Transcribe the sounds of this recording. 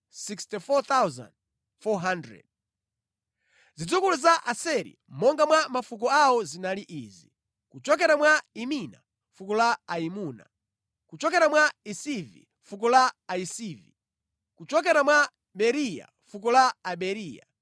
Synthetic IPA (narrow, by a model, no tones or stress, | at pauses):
sikstifɔt̪awzã̰nd | fɔɦandɾɛ̰d̚ | zid͡zukuluzaʔasɛɾḭ | mɔŋɡamwamafuk̬ɔawɔzinaliʔiːzi | kut͡ʃɔk̬ɛɾamwaimina̰ | fukɔlaːimuːna̰ | kut͡ʃɔk̬ɛɾamwaisivḭ | fuk̬ɔlaːisiːvḭ | kut͡ʃɔk̬ɛɾamwa | ɓɛɾija̰ | fuk̬ɔlaːɓɛɾiːja̰